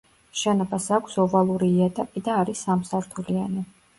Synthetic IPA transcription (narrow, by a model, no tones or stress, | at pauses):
ʃɛnɔbasakʷʰsɔvalˠuɾiːɛt̪ʼapʼid̪aːɾisamsaɾt̪ʰuliani